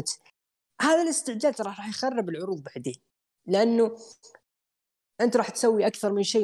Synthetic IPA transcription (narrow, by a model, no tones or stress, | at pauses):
t̪ | hæðæləst̪əʕd͡ʒæd̪ɾˤɑɾˤɑħjxɑrˤːəbəlʕʊɾuːd̪ˤbaʕd̪i | ləʔanːu | ʔənt̪ɾˤɑħt̪sæwːiʔakθɑɾˤmənʃi